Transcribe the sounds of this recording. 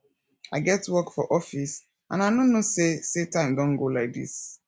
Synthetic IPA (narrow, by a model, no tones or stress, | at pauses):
aɪɡɛtwɜkfɔʔɔfis | ʔã̰nanonosesetãɪ̃mdɔ̃nɡolaɪk̚dḭs